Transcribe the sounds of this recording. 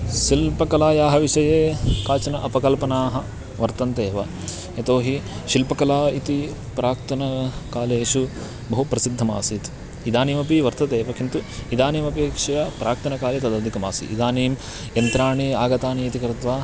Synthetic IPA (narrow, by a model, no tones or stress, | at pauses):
ʃilpɐkɐlaːjaːɦɐʋiʃɐjeːkaːt͡ʃɐnɐʔɐpɐkɐlpɐnaːɦɐ | ʋɐɾt̪ɐnt̪eːʋɐ | ɐt̪oːɦi | ʃilpɐkɐlaːit̪i | pɾʔaːkt̪ɐnɐkaːleːʃu | bɐɦupɾɐsid̪ʱːɐmaːsit̪ | id̪aːniːmɐpiʋɐɾt̪ɐt̪eːʋɐkint̪uid̪aːniːmɐpeːkʂɐjɐpɾʔaːk̚t̪ɐnɐkaːlet̪ɐd̪ɐʋd̪ʱikɐma̰ːsḭʔḭd̪aːniːm | jɐnt̪ɾaːɳiaːɡɐt̪aːniit̪ikɾit̪ʋaː